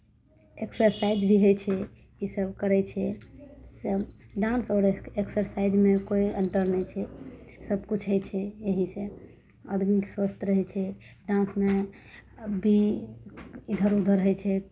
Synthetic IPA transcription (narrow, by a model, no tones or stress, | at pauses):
eksəɾsaid͡ʒbʱiɦəjt͡ʃʰɛ | isəb̚kəɾɛt͡ʃʰɛsəɖãnsɔːɾeksəɾsaid͡ʒmekoiə̃nʈ̪əɾnɛjt͡ʃʰɛsəbkut͡ʃʰɦət͡ʃʰɛeɦisẽ | əd̪ʱmikswəst̪ɾəɦɛt͡ʃʰɛ | ɖãnsme | bʱi | id̪ʱəɾud̪ʱəɾəɦɛt͡ʃʰɛ